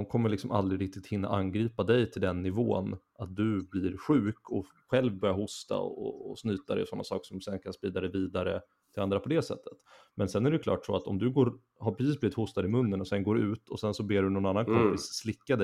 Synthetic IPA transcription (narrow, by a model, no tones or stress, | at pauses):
d̪ɔmkʰɔmːəɭɪksɔmʔa̰ld̪ɾɪɾɪk̚t̪ɪt̪hɪnːa̰ʔanɡɾiːpad̪ɛjt̪ʰɪld̪ɛnːɪvo̰ːnʔat̪̚d̪ɵblɪːɾɧʉ̟ːkʰɔ | ɧɛlvbœɾjaɦʊst̪a̰ɔ̰ːsnyːt̪ad̪ɛ̰jɔsɔnːa̰sɑ̰ːksɔmsɛnːkʰanspɾiːd̪ad̪ɛjviːd̪aɾə | t̪ʰɪland̪ɾapʰɔd̪ɛsɛ̰t̪ʰːə̥t̪ | mɛnsɛnæɾɛjʉkʰlɑ̰ːʈsɔat̪ɔmd̪ɵɡoːɾ | hapʰɾɛsiːsbliːvɪt̪hʊst̪ad̪əɪmɵnːənɔsɛnɡoːɾʉ̟ːt̪ʰɔsɛnsɔbeːɖɵnɔnanːankʰɔmpɪsːlɪkːad̪ɛ